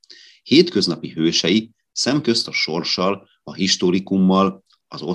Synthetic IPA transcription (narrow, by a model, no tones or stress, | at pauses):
heːt̪kø̞znɒpiɦøːʃɛi | sɛmkø̞st̪ɒʃo̞rʃɒl | ɒɦiʃt̪o̞ɾikumːɒl | ɒzo̞